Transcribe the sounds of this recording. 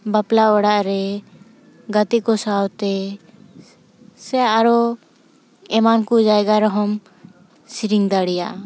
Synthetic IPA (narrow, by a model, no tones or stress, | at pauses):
baplaɔɽaʔɾɛ | ɡat̪ikɔsawt̪ɛ | sɛaɾɔ | ɛmankud͡ʒaɛɡaɾɔɦɔm | siɾiŋd̪aɽija̰ʔ